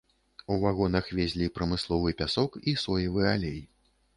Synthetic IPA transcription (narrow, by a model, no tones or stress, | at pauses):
uvaɣɔnɐxvʲɛzʲlʲipɾɐmɨslˠɔvɨpʲasɔkisɔjɐvɨalʲej